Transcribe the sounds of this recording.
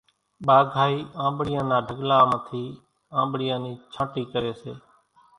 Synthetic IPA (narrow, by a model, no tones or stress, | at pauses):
ɓaːɡʱaːiːʔãːmbɽɪjãːnãːɖʱəɠlaːmət̪ʰiː | ãːmbɽɪjãːniːt͡ʃʰãːʈiːkəɾeːsḛː